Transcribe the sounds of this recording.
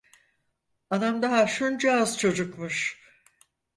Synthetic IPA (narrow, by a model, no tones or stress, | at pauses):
ad̪amd̪aɦaʃund͡ʒaːzt͡ʃʰo̞d͡ʒukmuʃ